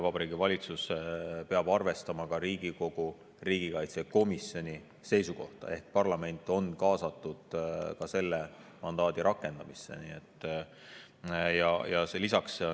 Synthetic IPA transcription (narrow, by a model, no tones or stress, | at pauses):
vɑbɑɾiːɡivɑlʲit̪suspeɑb̥ɑrve̞st̪ɑmɑkɑɾiːɡiko̞ɡ̥u | riːɡ̥ikɑjt̪seko̞misjo̞nʲi | se̞jsuko̞ht̪ɑ̰e̞hk̚pɑrlɑme̞nʲt̪ːˑo̞nkɑːsɑt̪ːˑud̪̥kɑse̞lːe | mɑnd̪̥ɑːd̪̥iɾɑkːe̞nd̪̥ɑmisːe̞̰nḭe̞t̪ˑː | jɑjɑselisɑks